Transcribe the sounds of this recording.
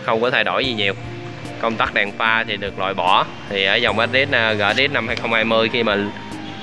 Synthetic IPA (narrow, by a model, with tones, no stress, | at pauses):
xə˧wŋ͡mkɔ˨˦t̪ʰa˧jɗo˧˩jzi˨˩ɲi˨˩əw | kə˧wŋ͡mt̪aː˦˥k̚ɗaː˨˩ŋfaː˧t̪ʰi˨˩ɗɨ˨˩ək̚lwa̰ː˨˩jɓɔ˧˩˦ | t̪ʰi˨˩ʔəː˨˦jza˨˩wʔə˦˥t̚ɗi˦˥t̚na˧ɣə̰ː˧˨˩ɗi˦˥t̚na˧mhaː˧jxə˧wŋ͡mhaː˧jmɨ˧əjxi˧maː˨˩